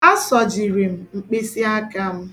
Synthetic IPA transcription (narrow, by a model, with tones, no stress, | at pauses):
a˦sɔ˨d͡ʒi˨ɾe˨m̩˨ŋ͡m̩˨k͡pe˦si˦a˦ka˦m̩˦